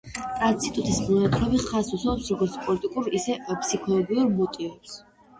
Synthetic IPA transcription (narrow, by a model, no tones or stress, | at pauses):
at̪sʰit̪ʼut̪ʰʼismnuɛt̪ʰɾɔbiχasusɔɔpsɾɔɡɔɾt̪sʰpʼɔlit̪ʼikʼuɾisɛpʰsikʰɔlˠɔɡiuɾmut̪ʼivɛps